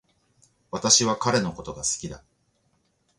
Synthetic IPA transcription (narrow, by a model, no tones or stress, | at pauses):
βat̪aɕiβ̞akaɾe̞no̞ko̞t̪o̞ɡasɨ̥kʲid̪a